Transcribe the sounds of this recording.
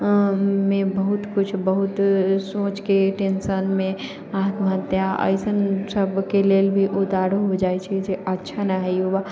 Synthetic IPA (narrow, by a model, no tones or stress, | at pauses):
mẽbəɦut̪kʊt͡ʃʰbəɦut̪sõːt͡ʃkeʈenʃənmẽ | aːk̪bʱə̃nt̪jãʔə̰ɪsənsəbkeleːlbʱiʔʊt̪aːɾoɦod͡ʒaːjt͡ʃʰɛd͡ʒeʔətːʃʰanaɦɛoba